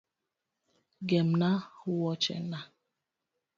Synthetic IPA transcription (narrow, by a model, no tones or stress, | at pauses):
ɡɛm̩nahʊwɔt͡ʃɛ̰na